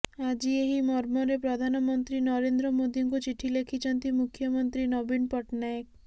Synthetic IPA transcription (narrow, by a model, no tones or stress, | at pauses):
ad͡ʒieɦimɔɾmɔɾepɾɔd̪ʱanɔmɔnt̪ɾinɔɾend̪ɾɔmod̪ʱiŋkut͡ʃiʈʰilekʰit͡ʃɔnt̪imukʰːjɔmɔnt̪ɾinɔbinpɔʈnaek̚